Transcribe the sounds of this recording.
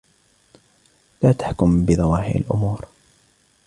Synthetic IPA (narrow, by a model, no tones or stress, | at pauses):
laːt̪ḁħkʊmbɪðˤɑwaːhɪ̰ɾa̰lʔʊ̰muːɾ